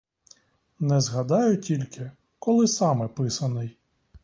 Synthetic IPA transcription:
nɛzɦɐd̪ɑjʊtʲilʲkɪ | kɔlˠɪsɑmɛpɪsɐnɪj

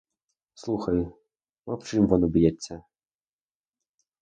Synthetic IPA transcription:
slˠuxɐj | vɔpt͡ʂɨmvɔnɔbʲjɛt͡sʲːɐ

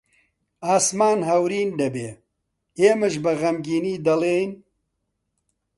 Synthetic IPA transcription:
aːsmaːnɦɐwɾiːnd̪ɐbeː | eːmɨʃbɐɣɐmɡiːniːd̪ɐleːjn

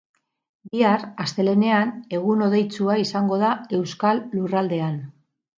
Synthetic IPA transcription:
biarast̪e̞le̞ne̞ane̞ɣuno̞ðe̞jt͡suaisaŋɡo̞ð̞ae̞wskalːurald̪e̞an

